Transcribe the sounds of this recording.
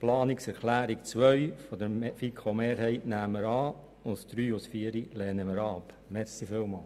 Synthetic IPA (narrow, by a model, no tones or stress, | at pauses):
plɑːniksɛɾklæːɾikt͡sʋœɥfɔd̪əɾfikʰomeːɾhɛɪtnæːmːəɾɑː | ʊntsd̪̥ɾyːʊsfiːəɾilɛːnəməɾɑp | mɛɾsifɪːlmɑːl